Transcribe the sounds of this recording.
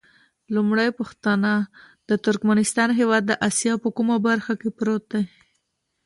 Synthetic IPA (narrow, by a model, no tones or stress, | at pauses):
lumɽajpʊxt̪ana | d̪̥ət̪ʊɾkmanɪst̪ɑnɦewɑd̪̚ːəʔasjɑpəkumabaɾxakepɾot̪̚d̪a